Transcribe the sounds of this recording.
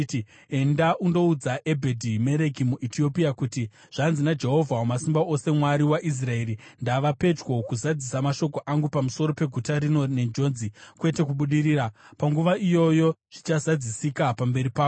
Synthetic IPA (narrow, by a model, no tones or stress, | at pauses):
e̞ndaʔundo̞ud͡zaʔe̞bʱedʱime̞ɾe̞kimuʔitio̞pijakuti | ʐ̥anzinad͡ʒe̞ɦo̞vʱawomasimbaʔo̞se̞mwaɾiwaʔis̬rae̞ɾindaʋape̞t͡ʃwo̞kuzad͡zisamaʃo̞ko̞ʔaŋɡupamuso̞ɾo̞pe̞ɡʱutaɾino̞ne̞nd͡ʒo̞nzikwe̞te̞kuɓuɗiɾiːɾapaŋɡuʋaʔijo̞jo̞ʐ̥it͡ʃazad͡zisikapambe̞ɾipaːo